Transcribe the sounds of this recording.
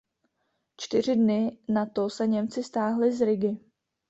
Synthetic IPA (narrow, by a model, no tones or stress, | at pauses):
t͡ʃt̪ɪr̝ɪdnɪnat̪osɛɲɛmt͡sɪst̪aːɦlɪzɾɪɡɪ